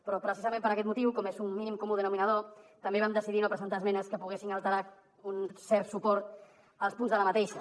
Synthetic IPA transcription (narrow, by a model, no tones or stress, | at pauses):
pɾɔpɾəsizəmẽmpəɾəkɛt̪mut̪iwkomezunmːinimkomuðənuminəð̞ot̪əmbeβ̞amd̪əsiðinopɾəzənt̪azmɛnəskəpuɣesiŋəlˠt̪əɾa | unsɛɾt̪supɔɾt̪ | əlˠspunzðələmət̪eʃə